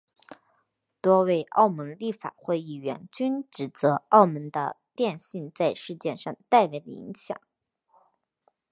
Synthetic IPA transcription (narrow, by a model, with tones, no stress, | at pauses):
t̪wɔ˥we˥˩ɪʔɑ˥˩ʊmə˧˥ŋli˥˩fa̰˨˩xwe˥˧ɪi˥˩ɥɛ̰˧˥nt͡ɕy˥nʈ͡ʂɻ̩˨˩t͡sɤ˧˥ʔɑ˥˩ʊmə˧˥nd̪ə̰˧t̪jɛ˥˧nɕi˥˧nt͡sa˥˧ɪʂɻ̩˥˧t͡ɕjɛ˥˧nʂɑ˥˧ŋt̪a˥˧ɪla˧˥˩ɪd̪ə̰˩ḭ˧˥ŋɕjɑ̰˨˩˦ŋ